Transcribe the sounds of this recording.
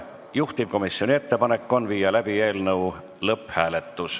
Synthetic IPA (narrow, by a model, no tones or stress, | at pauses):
juht̪ib̥̚ko̞misio̞nie̞t̪ːe̞pɑne̞kːˑo̞nviːjɑlæb̥ie̞ːlnɤw | lɤphæːle̞t̪ːˑus